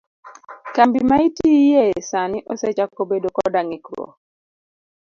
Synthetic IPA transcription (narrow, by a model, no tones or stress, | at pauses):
kambimaitijesanɪʔɔsɛt͡ʃakobedokɔdaŋɪkɾo̰